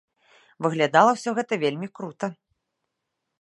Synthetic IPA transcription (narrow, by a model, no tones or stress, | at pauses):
vɨɣlʲad̪alˠɐwsʲɔɣɛt̪ɐvʲelʲmʲikɾut̪ɐ